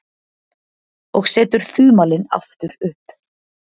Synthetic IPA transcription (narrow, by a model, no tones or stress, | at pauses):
ɔɣsɛːt̪ʏɾ̥θyːmaːlɪna̰ft̪ʏɾʏhp